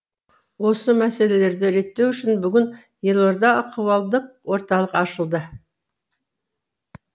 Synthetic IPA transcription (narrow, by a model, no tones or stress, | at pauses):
wo̞səmæse̞le̞le̞ɾd̪ɪɾe̞t̪ːe̞wʏʃɪnbʏɡʲɪn | je̞lˠo̞ɾd̪ɑqʰəwɑlˠd̪əq̚wo̞ɾt̪ɑlˠəqɑʃəlˠd̪ə